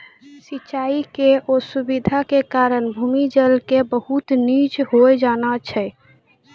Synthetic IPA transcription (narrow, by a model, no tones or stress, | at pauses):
sit͡ʃaikeʔosubid̪ʱakekaɾənbʱumid͡ʒəlkebəɦut̪nit͡ʃɦoed͡ʒanat͡ʃʰɛ